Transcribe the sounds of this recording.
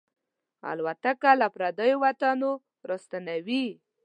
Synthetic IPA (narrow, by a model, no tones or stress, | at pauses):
a̰lwat̪akalapɾad̪əjowat̪ano | ɾəst̪anawi